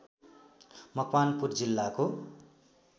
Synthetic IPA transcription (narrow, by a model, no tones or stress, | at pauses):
mʌkwanpurd͡zilːako